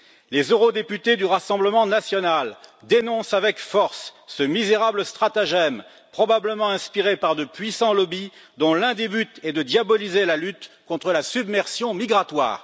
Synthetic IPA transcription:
lezøʁɔd̪epyt̪ed̪yʁasɑ̃bləmɑ̃nasjɔnal | d̪enɔ̃savɛkfɔʁsːəmizeʁabləst̪χat̪aʒɛm | pχɔbabləmɑ̃ɛ̃spiʁepaʁd̪əpɥisɑ̃lɔbid̪ɔ̃lɛ̃d̪ebyt̪ɛd̪əd̪jabɔlizelalyt̪kɔ̃t̪χəlasybmɛʁsjɔ̃miɡʁat̪wa̰ːʁ

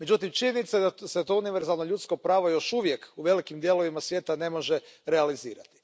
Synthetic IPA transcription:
me̞d͡ʑut̪imt͡ʃiɲenit̪saed̪aset̪o̞uniʋe̞ɾzalˠnoʎut̪skopɾaːʋo̞jo̞ʃuʋje̞kuʋe̞likimd̪je̞lo̞ʋimasʋjet̪ane̞mo̞ʒeɾealiziːɾa̰t̪i̥

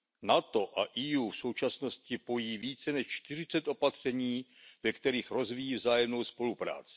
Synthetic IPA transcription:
nat̪o̞ʔaʔijuːfso̞wt͡ʃasno̞scɪpo̞jiːviːt͡sɛnɛʃt͡ʃt̪ɪr̝ɪt͡sɛt̪ʔo̞pat̪r̝̥ɛɲiːvɛkt̪ɛɾiːxɾo̞zvijiːvzaːjɛmno̞wspo̞lupɾa̰ːt͡sɪ̥

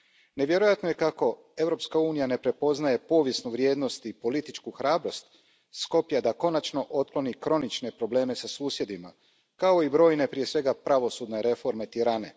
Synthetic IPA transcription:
ne̞ʋje̞ɾojat̪no̞je̞kako̞ | e̞vwɾo̞pskauːnijane̞pɾe̞po̞znaje̞po̞ːʋje̞snuʋɾje̞ːd̪no̞st̪ipo̞lit̪it͡ʃkuxɾaːbɾo̞st̪ | sko̞pjad̪ako̞nat͡ʃno̞ʔo̞t̪̚klo̞nikɾo̞nit͡ʃne̞pɾo̞ble̞ːme̞sasuːsje̞d̪ima̰ | kao̞ibɾo̞ːjne̞pɾije̞sʋe̞ɡapɾaʋo̞suːd̪ne̞ɾe̞fo̞ɾme̞t̪iɾane̞

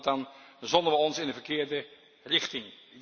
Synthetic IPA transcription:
tɑnzɔndənʋəɔnsɪnənvəkɪːɹdə | rɪχtɪŋ

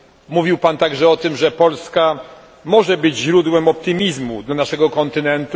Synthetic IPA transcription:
muvʲiwpant̪aɡʐɛɔt̪ɘmʐɛpɔlska | mɔʐɛbɘd͡ʑʑɾud̪wɛmɔp̚t̪ɘmʲizmud̪lanaʂɛɡɔkɔnt̪ɘnɛnt̪u

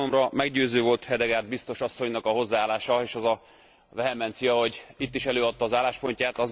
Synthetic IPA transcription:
omrɒmɛɡɟøːzøːvo̞lt̪hɛd̪ɛɡaːrd̪bist̪o̞ʃɒsːo̞ɲnɒkɒɦo̞zːaːlaːʃɒeːʃɒzɒ | vɛɦɛmɛnt̪sijɒho̞ɟit̪ːiʃɛløːɒt̪ːɒːzaːlːaːʃpo̞ɲcaːt̪ɒz

